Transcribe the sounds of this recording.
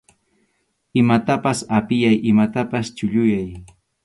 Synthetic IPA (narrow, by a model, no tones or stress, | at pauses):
ɪmat̪apasapɪjajʔɪmat̪apast͡ʃʊʎʊjaj